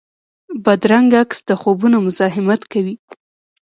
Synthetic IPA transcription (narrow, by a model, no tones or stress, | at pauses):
bad̪ɾaŋɡaksd̪əxobunomʊzɑɦɪmat̪kawi